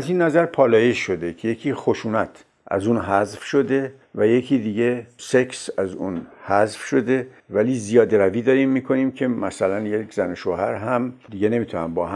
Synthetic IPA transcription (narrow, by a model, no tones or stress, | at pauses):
æziːnːæzæɾpʰɒːlɒːjeʃːo̞d̪e̞cʰe̞je̞kʰiːxo̞ʃuːnæt̪ʰ | ʔæ̰zuːnɦæzfʃo̞d̪e̞ | væje̞cʰiːd̪iːɟe̞seksæzunhæzfʃo̞d̪e̞væliːzijɒːd̪eɾæviːd̪ɒːɾimːiːkʰo̞niːmcʰe̞mæsælænjekʰzænoʃoːhæɾɦæmd̪iɟe̞ne̞mit̪ʰunæmbɒːhæ